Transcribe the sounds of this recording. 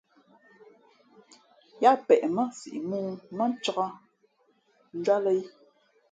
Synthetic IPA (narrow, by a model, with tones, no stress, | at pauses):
ja˦pɛ˨ʔmə˦sḭ˨ʔmuː˦mə˦n˦t͡ʃə˦ɣa˦ | n̩˦d͡ʒa˦lə˦i˦